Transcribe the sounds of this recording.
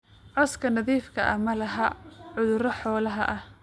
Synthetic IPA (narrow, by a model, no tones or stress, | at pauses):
ʕɔskʰɐnɐðiːfkʰɐ̰ʔɐmɐlɐɦɐʕʊðʊɾɔħɔːlɐɦɐ̰ʔɐh